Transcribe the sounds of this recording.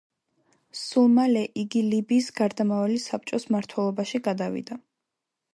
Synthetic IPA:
sulˠmalɛʔiɡilibiːsɡaɾd̪amavɛlisap̚ʰt͡ʃʼɔsmaɾt̪ʰwɛlˠɔbaʃiɡad̪avḭd̪a

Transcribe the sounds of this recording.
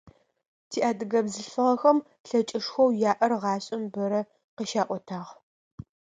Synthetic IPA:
tʰiːʔaːdɨɣɐbzɨɬfɨʁɐxɐm | ɬɐt͡ʃʼɪʂxʷɐwjaːʔɐrʁɑːɕʼɪmbɐɾɐ | qəʃaːʔʷɔtʰaːʁ

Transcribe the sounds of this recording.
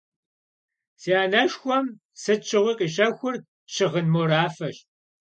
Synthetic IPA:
siaːnɐʃxʷɔm | sɨt͡ʃʰɨʁʷɨqʼiɕɐxʷʊr | ʃɪʁənmoːɾaːfɐɕ

